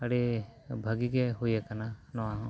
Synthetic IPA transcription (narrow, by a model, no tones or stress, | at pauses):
əɽebʱəɡiɡeɦujekananɔwaɦɔ̃